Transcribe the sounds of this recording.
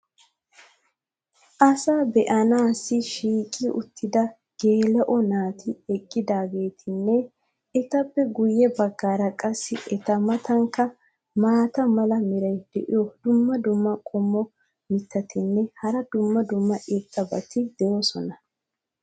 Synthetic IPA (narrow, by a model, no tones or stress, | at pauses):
ʔɐsaːbɛʔɐnaːsɪʃiːkʼːɪʔʊ̰t̪ʰːɪd̪ɐ | ɡ̥e̞ːlɛʔɔnaːt̪ʰɪɛkʼːɪd̪aːɡe̞ːt̪ʰɪnːɛ | ɛt̪ɐpːɛɡʊjːɛbɐɡːaːɾɐkʼɐsːɪʔɛt̪ɐmɐt̪ʰɐŋkːɐ | maːt̪ɐmɐlɐmɪɾɐjd̪̥ɛʔɪ̰jod̪ʊmːɐd̪ʊmːɐkʼɔmːɔ | mɪt̪ːɐt̪ɪnːɛhɐɾɐd̪ʊmːɐd̪ʊmːɐʔɪt̪ʼːɐbɐt̪ɪd̪̥ɛjoːsɔnɐ